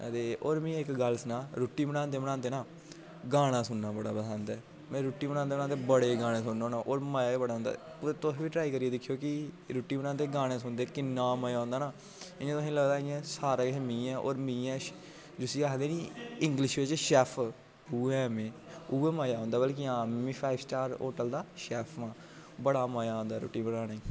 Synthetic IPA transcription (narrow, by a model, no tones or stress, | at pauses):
ə̰t̪eːoːɾmĩːɪkɡəlsnãːɾoːʈːiːbəɽ̃ãːnd̪eːbəɽ̃aːnd̪eːnãː | ɡaːɽ̃ãːsʊnːaːbəɽaːbəsaːnd̪ɛː | mɛ̃ːɾʊːʈːiːbəɽ̃aːnd̪eːbnãːnt̪ebəɽeːɡaːɽ̃ẽːsʊnːõːnaːʔoːɾmaːjaːeːbəɽaːɦʊ̃ːnd̪a̰ː | pʊɾet̪osʋiːʈɾaːiːkəɾieːd̪ɪkʰːijoːkɪ | ɾʊːʈːiːbənãːnd̪eːɡaːɽ̃ẽːsʊnd̪eːkɪnːaːmajaːõːnd̪aːnaː | ɪãːt̪ʊsĩːləɡd̪aːɪjãːsaːɾaːemĩːɛ̃ːʔo̰ːɾmĩːɛ̃ː | d͡ʒʊsiːaːkd̪eːniːɪŋɡlɪʃʋet͡ʃʃɛːpʰ | uːɛːmẽːuːeːmaːjaːɦõːnd̪aːbəlk̬iãːiːpʰaːɪbsʈaːɾo̰ːʈəld̪aːʃɛːpʰʋãː | bəɽaːmaːjaːɦõːnd̪aːɾo̰ːʈːiːbəɽãːɽ̃eː